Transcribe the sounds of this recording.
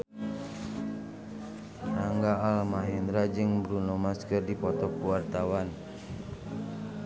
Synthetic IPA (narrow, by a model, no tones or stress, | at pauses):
naŋɡaːlmaɦɛnd̪ɾad͡ʒɨŋbɾunɔmaskərdipɔt̪ɔkuwart̪awan